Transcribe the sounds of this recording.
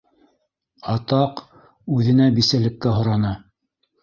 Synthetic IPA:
ɑt̪ɑq | ʉðɘ̆næbisælɘ̆kːæɦŏɾɑnɑ

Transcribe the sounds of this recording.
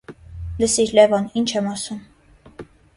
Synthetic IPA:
ləsiɾlɛvɑnint͡ʃʰɛmɑsum

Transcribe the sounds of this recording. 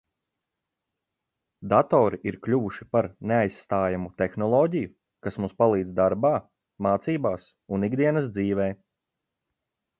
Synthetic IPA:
d̪at̪ɔːɾiʔiɾklʲuʋuʃi̥paɾneajsːt̪aːjamut̪exnɔlˠɔːɟiju | kasmumspalˠiːd̪zd̪aɾbaː | maːt̪siːbaːs | uniɡd̪iɛnɐs̬d̪ziːʋɛː

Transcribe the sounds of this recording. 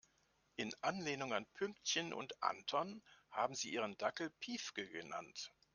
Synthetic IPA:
ʔɪnʔanleːnʊŋa̰npʰʏŋktçənʔʊ̰ntʔa̰ntʰɔnhaːbm̩ziːʔiːʁ̞əndakl̩pʰiːfɡ̥əɡəna̰nt

